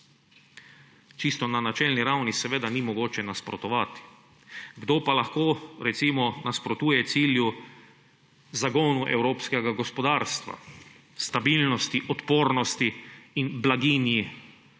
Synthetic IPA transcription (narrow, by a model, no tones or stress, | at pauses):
t͡ʃist̪ɔnanat͡ʃɛlniɾawnisɛʋeːd̪animɔɡoːt͡ʃɛnaspɾɔ̰t̪ɔʋat̪i̥ | ɡd̪oːpalaxkoːɾɛt̪simɔnaspɾɔt̪uːjɛt̪siːlju | zaɡoːnuʔɛ̰wɾoːpskɛɡaɡɔspɔd̪aːɾst̪ʋa̰ | st̪abilnɔst̪iʔɔt̪poːɾnɔst̪iːnblaɡiːnji